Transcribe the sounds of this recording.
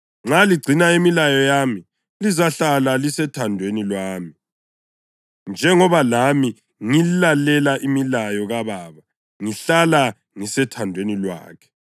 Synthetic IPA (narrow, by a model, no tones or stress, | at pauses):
ŋ͡ǁaliɡ͡ǀʱinaimilajɔjami | lizaɬalalisɛtʰandʱwenilwaːmi | nd͡ʒʱɛŋɔβalami | ŋililalɛlaʔimilajɔɣaβaːβa | ŋiɬala | ŋisɛtʰandʱwenilwa̰ːkʰɛ̥